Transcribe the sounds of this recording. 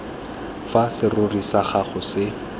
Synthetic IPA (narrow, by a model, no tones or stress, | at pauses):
fasɪrʊrisaχaχʊsɪ